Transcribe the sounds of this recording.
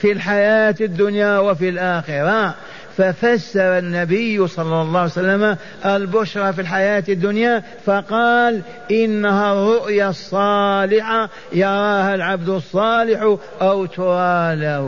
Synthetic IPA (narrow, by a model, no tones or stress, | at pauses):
filħajaːt̪ɪd̪ːʊnjawafilʔaːxɪɾaːʔ | fafasːɑɾˤɑnːabɪjːsˤɑlːɑlˤːɑːhsalːama | ʔalbʊʃɾˤɑfilħajaːt̪ɪd̪ːʊnja | fɑqɑːl | ʔɪnːaharˤːʊʔjasˤːɑːlɪħa | jɑɾˤɑːhalʕabd̪ʊsˤːɑːlɪħ | ʔawt̪ʊɾaɑːlah